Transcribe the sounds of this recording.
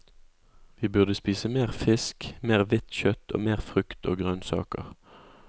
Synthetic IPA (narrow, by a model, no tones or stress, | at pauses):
ʋiːbʉʁd̪əspiːsəmeːʁfɪskmeːʁʋɪt̪çœt̪ʰo̰ːmeːʁfʁʉkt̪ʰo̰ːɡʁœnsɑ̰ːkə̰ʁ